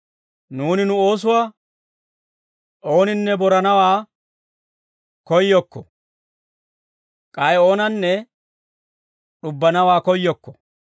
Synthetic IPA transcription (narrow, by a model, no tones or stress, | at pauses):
nuːnɪnʊo̞ːs̬ʊwaː | ʔo̞ːnɪnːɛbɔɾɐnɐwaː | kɔjːɔkːɔ | kʼɐjo̞ːnɐnːɛ | ɗʊbːɐnɐwaːkɔjːɔkːɔ̥